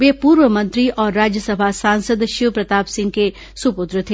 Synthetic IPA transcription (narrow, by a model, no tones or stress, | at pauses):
ʋepuːɾʋəmɐ̃nt̪ɾiʔɔːɾːaːd͡ʒjəsɐbʱasãːnsəd̪ʃiʋpɾɐt̪aːpsɪ̃ŋɡ̚ke | supʊt̪ɾət̪ʰe